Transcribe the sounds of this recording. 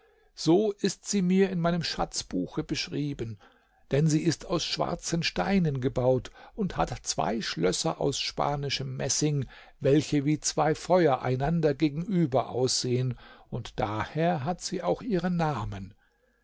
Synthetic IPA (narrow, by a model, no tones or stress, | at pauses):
z̥oːʔɪstz̥iːmiːɐɪnmaɪnəmʃa̰t͡sb̥uːxəbəʃʁ̥iːbən | d̥ɛnziːɪstaʊsʃv̥a̰ɐt͡sənʃtaɪnənɡəbaʊtʊntha̰tt͡sv̥a̰ɪʃlœsɐ̰ʔa̰ʊsʃpa̰ːnɪʃəmːɛsɪŋ | vɛlçəviːt͡sv̥aɪfɔʏɐʔa̰ɪnandɐɡeːɡŋ̩ʔyːbɐʔa̰ʊsz̥eːənʊntd̥aːheːɐɦatz̥iːaʊxʔiːʁənaːmən